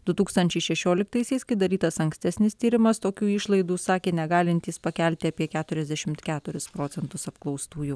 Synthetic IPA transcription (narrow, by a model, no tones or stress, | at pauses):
d̪ʊt̪uːkst̪ɐnʲt͡ʃʲɛɪʃʲɛʃʲoːlʲɪkt̪ɐɪsʲɛɪskɐɪd̪ɐɾʲiːt̪ɐsɐŋksʲt̪ʲɛsʲnʲɪst̪ʲiːɾʲɪmɐst̪oːkʲuːɪʃlˠɐɪd̪uːsɑːkʲeːnʲɛɡɑːlʲɪnʲt̪ʲiːspɐkʲɛlʲt̪ʲɪɐpʲiɛkʲæːt̪ʊɾʲɛzʲd̪ʲæʃʲɪmt̪kʲæːt̪ʊɾʲɪspɾoːsʲɛnt̪ʊsɐpklˠɒʊst̪uːju